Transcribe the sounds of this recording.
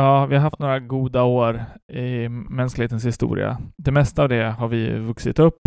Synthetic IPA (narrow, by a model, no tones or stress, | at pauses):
jɑːvɪhaɾɦaft̪noːɾaɡuːd̪aoːɾɪmɛnsklɪheːt̪ənshɪst̪ṵːɾɪ̰a̰d̪ɛmɛst̪aːvd̪ɛhaɾvɪvɵksɪt̪ɵpː